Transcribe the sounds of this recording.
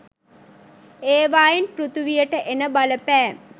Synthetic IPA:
eːʋaːjenprut̪uʋijəʈəʔenəbaləpæː

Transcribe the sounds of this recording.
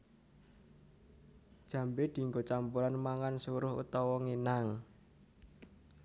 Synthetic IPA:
d̥ʒ̥ä̤mbed̪̥i̤ŋɡot͡ʃampuɾanmaŋansuɾʊɦṵt̪ɔwɔŋenaŋ

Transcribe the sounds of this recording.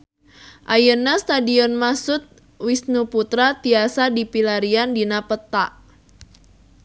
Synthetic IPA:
ʔajənast̪adiɔnmasʊt̪̚ | wisnuput̪ɾat̪iasadipilaɾiandinapət̪aʔ

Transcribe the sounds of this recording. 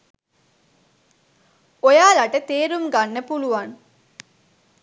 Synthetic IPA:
ojaːlɐʈət̪eːɾuŋɡanːepuluʋɐn

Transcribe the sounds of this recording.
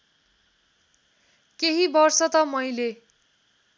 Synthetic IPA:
keɦibʌrsʌt̪ʌmʌjle

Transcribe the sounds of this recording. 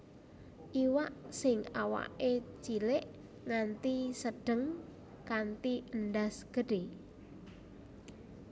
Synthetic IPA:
ʔiwaʔsɪŋawa̰ʔet͡ʃilɪʔ | ŋant̪isəɖ̥ə̤ŋ | kant̪iəndasɡ̥əɖ̥e

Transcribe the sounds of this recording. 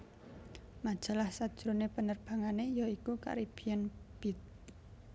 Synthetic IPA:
mad̥ʒ̥a̤lahsad̥ʒ̥ɾonepənərb̥a̤ŋanejaikuka̰ɾib̥ijɛnb̥it̪̚

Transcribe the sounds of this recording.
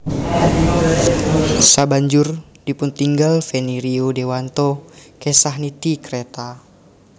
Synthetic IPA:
sabaɲd͡ʒʊr | dipunt̪iŋɡalfɛniɾiodewant̪ɔkɛsaɦnit̪ikɾɛt̪a

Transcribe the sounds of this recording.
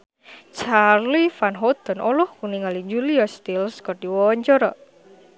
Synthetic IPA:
t͡ʃarlifanɦɔt̪ɔnʔɔlʊhkuniŋalid͡ʒuliɔst̪ilskərdiwɔwɔɲt͡ʃɔɾɔ

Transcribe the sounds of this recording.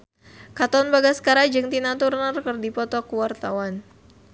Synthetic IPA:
kat̪ɔnbaɡasə̥kaɾad͡ʒɨŋt̪inat̪urnərkərdipɔt̪ɔkuwart̪awan

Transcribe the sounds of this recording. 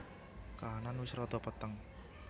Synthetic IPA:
kaɦananwɪsɾɔt̪ɔpət̪əŋ

